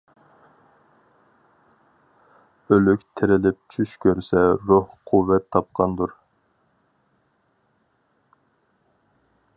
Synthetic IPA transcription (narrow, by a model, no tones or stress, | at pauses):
ølykʲt̪ʰeɾɪlɪp̚t͡ʃʰyʃkʲʰøɾsɛɾohqʰuvɛt̪ʰːɑp̚qʰɑnd̪uɾ